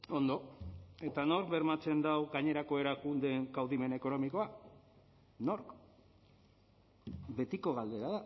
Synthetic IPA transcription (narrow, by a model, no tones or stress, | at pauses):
o̞nd̪o̞e̞t̪ano̞ɾkβe̞ɾmat͡se̞nd̪awɣaɲe̞ɾakoe̞ɾakund̪e̞ŋɡawðime̞ne̞ko̞no̞miko̞a | no̞ɾk | be̞t̪iko̞ɣald̪e̞ɾaða